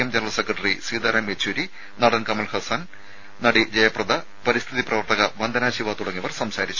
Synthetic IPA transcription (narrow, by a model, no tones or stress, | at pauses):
jɐmd͡ʑɐnɐɐlsekrɐʈɐrisiːd̪aːɾɐmet͡ɕʰːuːɾi | nɐɽɐnkɐmɐlhɐsɐn | nɐɽid͡ʑɐjɐprɐd̪ɐ | pɐɾist̪ʰiðiprɐʋɐrt̪ɐɣɐʋɐnd̪ɐnaːɕiʋat̪uɽɐŋːiʋɐrsɐmsaːɾit͡ɕːu